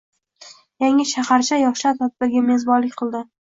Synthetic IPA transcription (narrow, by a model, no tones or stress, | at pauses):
jaŋɪʃahaɾt͡ʃʰajɒχʃat̪ʰɒt̪̚bɪɾɡʲame̞zbɒnlɪkʲqʰɨlˠd̪ɪ